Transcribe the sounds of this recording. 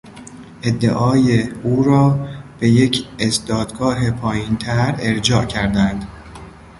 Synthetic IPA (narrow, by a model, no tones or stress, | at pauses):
ʔe̞d̪ːḛʔɒːjeuːɾɒːb̥e̞jecʰesd̪ɒːd̪ɡɒːɦepʰɒːjiːnt̪ʰæɾe̞ɾd͡ʒɒːʔcʰæɾd̪ænd̪̥